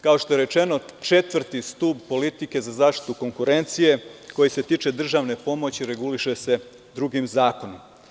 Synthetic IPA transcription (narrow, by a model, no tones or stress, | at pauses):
kao̞ʃt̪o̞je̞ɾe̞t͡ʃe̞no̞t͡ʃet̪ʋr̩t̪ist̪uːbpo̞lit̪ike̞zazaːʃt̪i̥t̪uko̞ŋkuɾe̞nt̪sije̞ko̞jise̞t̪iːt͡ʃe̞d̪r̩ʒaʋne̞po̞mo̞t͡ɕiɾe̞ɡuliʃe̞se̞ | d̪ɾuɡimzaːko̞nom